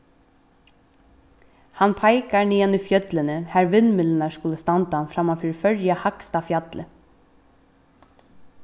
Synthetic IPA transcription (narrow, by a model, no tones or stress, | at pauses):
hanpʰajkaɹniːanʏfjœt̪lɪnəhæɾʋɪnmɪlɪnaɹskʊləst̪ant̪anfɾamafiːɾfœɹjahakst̪afjat̪lə